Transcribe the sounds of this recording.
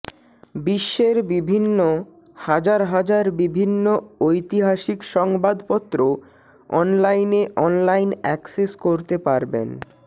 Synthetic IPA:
biʃːeɾbibʱinːo | had͡ʑaɾɦad͡ʑaɾbibʱinːoojt̪iɦaʃikʃɔŋbad̪pɔt̪ːɾo | ɔ̰nlajneʔɔnlajnɛkseskoɾt̪epaɾbḛn

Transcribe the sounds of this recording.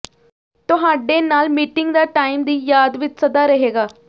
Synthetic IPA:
t̪ʊɦaːɖeːnaːlmiːʈɪŋɡd̪aːʈaːiːmd̪iːjaːd̪ʋɪt͡ʃsəd̪aːɾəɦeːɡaː

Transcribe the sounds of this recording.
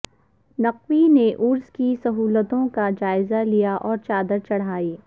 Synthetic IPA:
nɐqwineʔʊɾzkisɐɦuːlət̪õkad͡ʒaːɪzalijaʔɔːɾt͡ʃaːd̪əɾt͡ʃɐɽ̤aːiː

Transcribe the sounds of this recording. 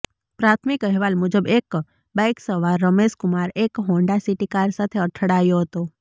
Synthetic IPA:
pɾat̪ʰmɪkəɦʋalmʊd͡ʒəbek | bajksəʋaɾːəmeskʊmaɾekɦõɳɖasiʈikaɾsat̪ʰeəʈʰəɽaːjoɦət̪o

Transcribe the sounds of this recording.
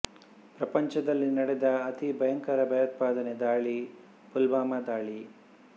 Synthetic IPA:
pɾɐpɐɲt͡ʃɐd̪ɐlːinɐɽɛd̪ɐːt̪ibʱɐjɐŋkɐɾɐbʱɐjɐt̪̚paːd̪ɐned̪aːɭi | pulbaːmɐd̪aːɭi

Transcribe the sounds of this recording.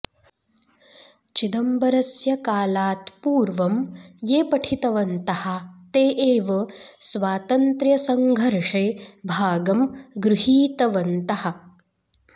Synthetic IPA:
t͡ʃid̪ɐmbɐɾɐsjɐkaːlaːt̪puːɾʋɐmjeːpɐʈʰit̪ɐʋɐnt̪ɐhɐt̪eːʔeːʋɐsʋaːt̪ɐnt̪ɾjɐsɐŋɡʱɐɾʂeːbʱaːɡɐmɡɾuɦiːt̪ɐʋɐnt̪ɐhɐ̆

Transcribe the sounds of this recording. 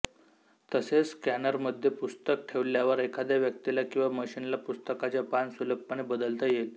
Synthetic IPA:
t̪əset͡sːkænəɾməd̪ʱːjepust̪ək̚ʈʰeʋljaʋəɾekʰad̪jaʋjək̚t̪ilakĩw̃ʋaməɕinlapust̪əkat͡ɕjapansuləp̚pənebəd̪əlt̪əjel

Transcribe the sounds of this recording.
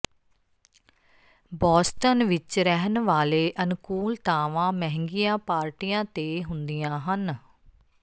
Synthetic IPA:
bɔːsʈənʋɪt͡ʃɾɛɦənʋaːleːʔənkuːlt̪aːʋãːmɛɦŋɡijãːpaːɾʈijãːt̪eːɦʊnd̪ijãːɦən

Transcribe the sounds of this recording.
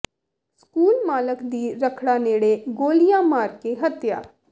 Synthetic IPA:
skuːlmaːləkd̪iːɾəkʰɽaːneːɽeɡoːlijãːmaːɾkeɦət̪ja̰ː

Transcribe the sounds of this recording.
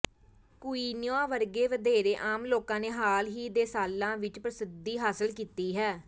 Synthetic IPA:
kʊiːnɪjãːʋəɾɡeːʋəd̪eːɾeːʔaːmloːkãːneːɦaːlɦiːd̪eːsaːlːãːʋɪt͡ʃpɾəsɪd̪iːɦaːsəlkiːt̪iːɦɛː

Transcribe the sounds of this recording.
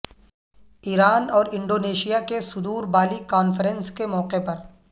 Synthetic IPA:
iːɾaːnɔːɾɪ̃ɳɖoːneːʃijakesʊd̪uːɾbaːlikaːnfɾɛ̃nskemɔːqepɐɾ

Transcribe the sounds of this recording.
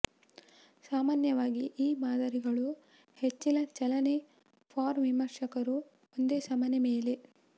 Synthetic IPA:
saːmaːnjɐʋaːɡiʔiːmaːd̪ɐɾiɡɐɭu | het͡ʃːilɐt͡ʃɐlɐne | pʰaːɾʋimɐɾʂɐkɐɾu | ond̪eːsɐmɐnemeːle

